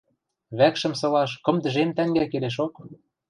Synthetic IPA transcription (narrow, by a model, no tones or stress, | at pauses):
βækʃə̆msɤ̆lɑʃkɤ̆md̪ə̆ʒemt̪æŋɡækeleʃ̬ok